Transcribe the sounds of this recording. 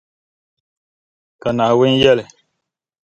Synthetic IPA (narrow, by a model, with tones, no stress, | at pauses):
ka˨na˨we˦n˦jɛ˦lɛ˨